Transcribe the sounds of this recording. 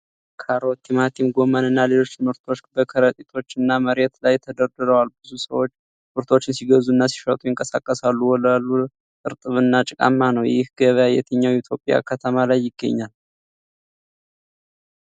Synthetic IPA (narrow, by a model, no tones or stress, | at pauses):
kʰaɾo̞t̪ʰimat̪ʰimɡo̞mənɨnːale̞lo̞t͡ʃːmɨɾt̪ʰo̞t͡ʃːbəkʰəɾət̪ʼit̪ʰo̞t͡ʃːɨnːaməɾet̪lajt̪ʰəd̪əɾd̪ɨɾəwalbɨzusə̰wo̞t͡ʃː | mɨɾt̪ʰo̞t͡ʃːɪnsiɡəzuɨnːasi̥ʃət̪ʼujɪŋkʼəsa̰kʼːəsalːuwɔlalːu | t̪ʼɨɾt̪ʼɨβɨnːat͡ʃʼɪkʼa̰mːanəwjɪhɡəβəjajɛ̰t̪ʰəɲːawit̪ʰjo̞pʼja̰kʰət̪ʰəmalajːɪɡːə̰ɲːal